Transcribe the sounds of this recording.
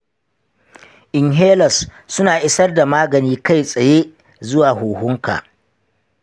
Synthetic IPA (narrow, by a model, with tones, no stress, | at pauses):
ʔɪ˨ŋɦeː˦lɐ˨sː | ʊ˦naː˨ʔɪ˦sɐ˦rda˨maː˦ɡɐ˨niː˦ka˦˨jsʼɐ˨je˦ | zʊ˦waː˨ɦuː˨hʊ˦ŋka̰ː˨ʔ